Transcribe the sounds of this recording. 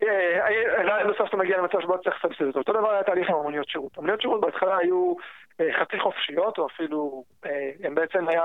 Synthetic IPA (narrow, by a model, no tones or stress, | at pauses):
eaielajmesoft̪ameɡialemat͡savʃebott͡sliχsabsidot̪oot̪o̞d̪avaʁajat̪aːliχimamonijo̞t̪ʃiʁut̪amonijotʃiʁut̪̚beat̪χalaaju | eχat͡siχo̞fʃijo̞t̪oafilu | eembeet͡se̞maja